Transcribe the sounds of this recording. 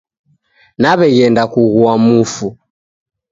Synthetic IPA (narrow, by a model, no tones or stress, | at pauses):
naβɛɣɛndakuɣuamufu